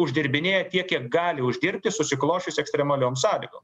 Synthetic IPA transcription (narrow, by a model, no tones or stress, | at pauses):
ʊʒʲd̪ʲɪɾʲbʲɪnʲeːjɛt̪ʲiɛkkːʲiɛk̚ɡɑːlʲɪʊʒʲd̪ʲɪɾʲpʲt̪ʲɪsʊsʲɪklˠoːʃʲʊsɛksʲt̪ʲɾʲɛmɐlʲoːmsɑːlʲɪɡoːm